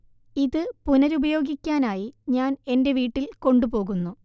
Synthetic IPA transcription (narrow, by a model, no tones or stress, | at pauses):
iðɨpunɐɾubɐjo̞ːɡikʲːaːnaːjiɲaːne̞nde̞ʋiːʈːilko̞ɳɖupo̞ːɣunːu